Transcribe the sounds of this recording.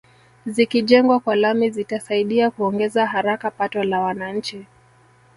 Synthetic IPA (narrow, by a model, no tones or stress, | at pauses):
zikiʄɛŋɡwakwalamizitasaiɗiakuɔŋɡɛzaɦaɾakapatɔlawanaɲ̩t͡ʃi